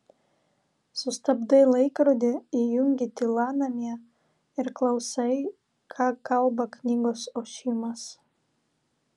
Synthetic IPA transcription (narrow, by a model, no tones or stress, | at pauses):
sʊst̪ɐbd̪ɐɪlˠɐɪkɾod̪ʲɪijʊŋʲɡʲit̪ʲilˠɑːnɐmʲiɛ | ɪɾklˠɐʊsɐɪ | kʰɑːkɐlˠbɐknʲiːɡoːsoːʃʲimɐs